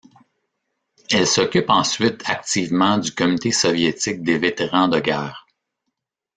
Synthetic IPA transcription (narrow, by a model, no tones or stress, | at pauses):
ɛlsɔkʲypɑ̃sɥɪt̪ʰak̚t̪iːvmɑ̃d̪ykɔmynit̪esɔvjet̪ɪk̚d̪evet̪eʁɑ̃d̪əɡɛːʁ